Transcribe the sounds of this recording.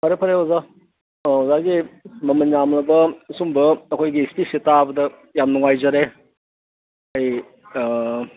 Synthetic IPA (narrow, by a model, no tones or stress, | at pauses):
pʰaɾepʰɐɾeoza | zaɡimɐmɐnjamlɐbɐsumbɐːkʰojɡistisetabɐdɐ | jamnuŋajzɐɾe | aj